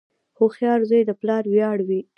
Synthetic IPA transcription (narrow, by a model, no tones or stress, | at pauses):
xoxjɑɾzəjd̪əplɑɾwjɑɽwi